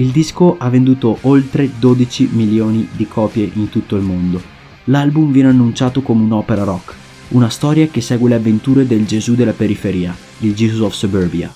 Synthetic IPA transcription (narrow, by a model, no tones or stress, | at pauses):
ild̪iskoʔavːend̪uːt̪oʔolt̪ɾed̪oːd̪it͡ʃimiljoːnid̪ikʰɔːpjeʔint̪ut̪ːoilmond̪o | lalbumvjɛːnanːunt͡ʃaːt̪okomeunɔːpeɾaɾɔkː | unast̪ɔːɾjakesːɛːɡweleavːent̪uːɾed̪eld͡ʒezud̪elːapeɾifeɾiːa | ild͡ʒizuzɔfsoberbia̰